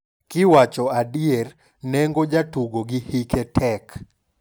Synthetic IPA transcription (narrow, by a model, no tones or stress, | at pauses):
kɪwat͡ʃɔadiɛr | nɛŋɡod͡ʒatuɡoɡihikɛtʰɛk